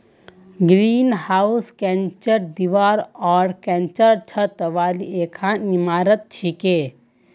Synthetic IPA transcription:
ɡɾiːnhauskɛ̃nt͡ʃəɾd̪iʋaːɾɔːɾkɛ̃nt͡ʃəɾt͡ʃʰət̪ʋaːlieːkʰãːnnimaːɾət̪̚t͡ʃʰike

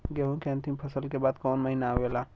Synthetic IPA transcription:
ɡɐɦõkeɐ̃nt̪impʰɐsəlkebaːd̪kɔːnmɐɦinaʋelaː

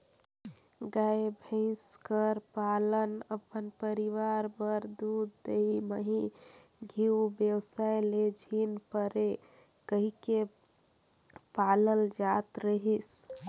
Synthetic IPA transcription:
ɡajebʱə̃ɪ̃skəɾpalənəpənpəɾiʋaɾbəɾd̪ud̪ːeɦiməɦĩɡʱiubjewsajled͡ʒʱinpəɾe | kəɦike | paləld͡ʒat̪ɾəɦis

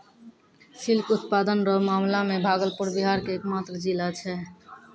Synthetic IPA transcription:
silkut̪pad̪ənɾɔmamlamebʱaɡəlpuɾbiɦaɾkeekmat̪ɾəd͡ʒilat͡ʃʰɛ

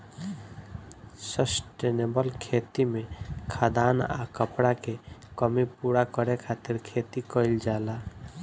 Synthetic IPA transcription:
səsʈenebəlkʰeːt̪imẽkʰad̪aːna̰kəpɽakekɔmipuɽakɔɾekʰat̪ɪɾkʰet̪ikɔild͡ʒaːla

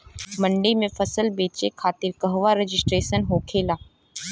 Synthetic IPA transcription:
mɐ̃ɳɖimẽfʰɐsəlbeːt͡ʃekʰaːt̪ɪɾkəɦʋaɾɪd͡ʒɪsʈɾeːʃənɦoːkʰeːlaː

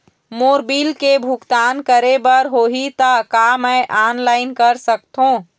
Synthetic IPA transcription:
moːɾbiːlkebʱukt̪aːnkəɾebəɾɦoɦit̪əkaməʔaːnlaːɪnkəɾsək̚t̪ɦõ

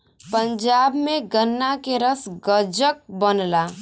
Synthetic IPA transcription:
pə̃ɲd͡ʒaːbmẽɡənːakeɾəsɡəd͡ʒək̚bənlaː

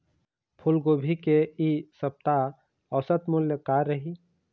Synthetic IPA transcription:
pʰulɡobʱikeisəp̚t̪a | əːsət̪mʊljəkaɾəɦi

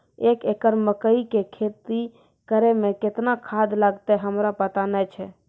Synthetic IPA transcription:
ekekəɾməkəikekʰet̪i | kəɾemẽket̪nakʰad̪laɡt̪ɛɦəmɾapət̪anɛt͡ʃʰɛ

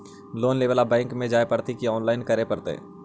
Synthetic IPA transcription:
loːnleːʋəlabɛ̃ːŋkmẽd͡ʒaːepəɾt̪ikiɔːnlaːɪnkəɾepɐɾt̪ḛ

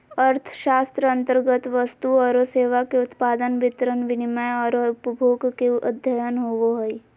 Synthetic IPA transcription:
əɾt̪ʰʃaːst̪ɾəɐ̃nt̪əɾɡət̪ʋəst̪uɔːɾoseːʋakeʊt̪paːd̪ənʋɪt̪ɾənʋɪnɪməjɔːɾoʊpəbʱoːɡkeʔɐd̪ʱjəjənɦoʋoɦoi

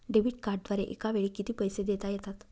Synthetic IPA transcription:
ɖeʋiʈkaɾɖ̚d̪ʋaɾeʔḛkaʋeɭiːkit̪iːpəjsed̪et̪ajɛt̪at̪

